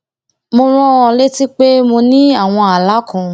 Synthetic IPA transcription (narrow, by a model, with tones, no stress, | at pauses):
mo˧ɾ̃ɔ̃˦ɔ̃˧le˦ti˦k͡pe˦mo˧nĩ˦a˦˨w̃ɔ̃˧a˨la˨˦kɔ̃˨